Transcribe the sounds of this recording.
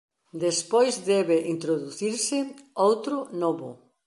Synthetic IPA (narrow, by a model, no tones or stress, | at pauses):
d̪espojzd̪ɛβeʔint̪ɾoðuθiɾsɪowt̪ɾʊnɔβʊ̰